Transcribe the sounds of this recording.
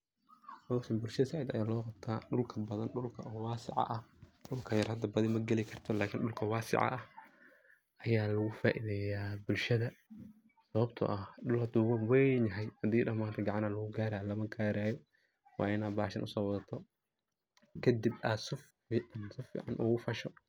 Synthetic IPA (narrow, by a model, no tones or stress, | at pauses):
ɔsɐmbʊlʃɐðɐsaʕiːd̪ɐ̰jaːlɔːqɑbt̪ʰaːɗʊlkʰɐbɐðɐnɗʊlkʰɐːwɑːsɪ̰ʕɑ̰ʔɐhɗʊlkʰɐjɐrhɐd̪ɐbɐðɪmɐɡɛlɪkʰɐrt̪ʰɔlaːkʰɪnɗʊlkʰɐwɑːsɪ̰ʕɑ̰ʔɐh | ʔɐjaːlɐɣʊfa̰ːʔiðɛːjaːbʊlʃɐðɐ | sɐβɐbt̪ʰɐ̰ʔɐhɗʊlhɐd̪uːwɐnwɛjnɐɦɛjhɐd̪iːɗɐmaːnt̪ʰɐɡɑʕɑnalɐɣʊɡaːɾaːjlɐmɐɡaːɾaːjɔ | wɑ̰ːɪnaːbaːʃɐ̰nʔʊsɔːwɔðɐt̪ʰɔ | kʰɐd̪ibʔaːsʊf | iːʕnsʊfḭːʕɑnʔuːɣʊfɐʃɔ